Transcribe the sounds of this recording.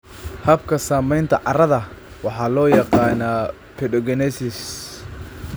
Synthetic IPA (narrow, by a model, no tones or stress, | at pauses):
hɐbkʰɐsaːmɛjnt̪ʰɐʕɑrɐðɐ | wɑħɑːlɔːjɑqɑːnaː | pʰɛɖɔɡɛnɛsɪs